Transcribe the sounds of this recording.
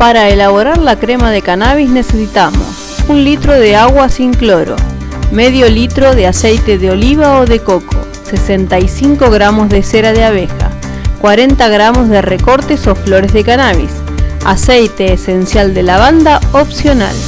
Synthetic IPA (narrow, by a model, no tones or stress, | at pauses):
paɾaelaβo̞ɾaɾlakɾemaðekanaβizne̞sesit̪amo̞̰s | unlit̪ɾo̞ðeaɣwasiŋklo̞ɾo̞̰ | meðjo̞lit̪ɾo̞ðeasejt̪eðeo̞liβaoðe̞ko̞kʰo̰ | sesent̪ajsiŋko̞ɣɾamo̞zðeseɾaðeaβ̞exa̰ | kwaɾe̞nt̪aɣɾamo̞zðereko̞ɾt̪eso̞flo̞ɾezðekanaβ̞ḭs | a̰sejt̪e̞ːse̞nsjald̪elaβand̪aopsjona̰l